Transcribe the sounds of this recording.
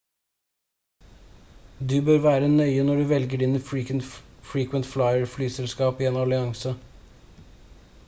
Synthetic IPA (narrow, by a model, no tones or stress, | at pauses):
d̪ʉːbøːɾʋæːɾənœʏənɔɖʉːʋɛlɡəɖiːnə | fɹiːkʋənt̪flɑɪəɹflyːsɛlskɑːpiːeːnɑlɪɑŋsə